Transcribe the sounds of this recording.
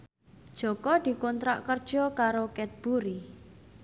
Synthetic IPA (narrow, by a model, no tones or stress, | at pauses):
d̥ʒ̥ɔ̤kɔd̪̥i̤kɔnt̪ɾaʔkərd̥ʒ̥ɔ̤kaɾokɛt̪̚b̥uɾi